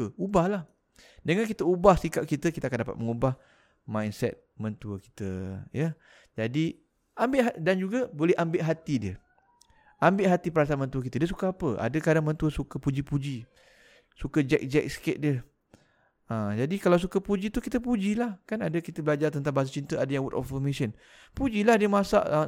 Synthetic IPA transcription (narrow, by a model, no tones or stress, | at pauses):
əubahlah | dəŋankit̪əubahsikaʔ̚kit̪əkit̪əakandapa̰t̪̚məŋubah | mãjnsɛ̰t̪̚mənt̪uəki̥t̪ə̰jə | d͡ʒadi | ambɪʔɦadand͡ʒuɡabolɛhʔambɪʔɦat̪idiə | ʔambɪʔɦat̪ipəɾas̬anmənt̪uək̬it̪ədiəs̬ukaapəʔa̰dəkadaŋmənt̪uəsukəpud͡ʒipud͡ʒi | sukəd͡ʒɛk̚d͡ʒɛ̰k̚sə̥keʔ̪̚diə | ad͡ʒadikalaws̬ukəpud͡ʒit̪ukit̪əpud͡ʒilahkanadəkit̪əbəlad͡ʒart̪ənt̪̬aŋbaɦas̬at͡ʃint̪əadajaŋwut̪ɔ̰fəmisən | pud͡ʒilahdiəmasa̰ʔ